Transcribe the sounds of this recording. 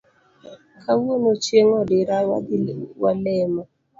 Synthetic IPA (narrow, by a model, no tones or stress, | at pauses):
kʰawonot͡ʃjeŋɔdɪɾa | walɛma